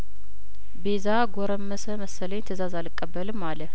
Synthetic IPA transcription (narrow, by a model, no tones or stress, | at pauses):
bezaɡoɾəmːəsəməsːələɲt̪ʰəzazalɨkʼːəbːəlɨmːalə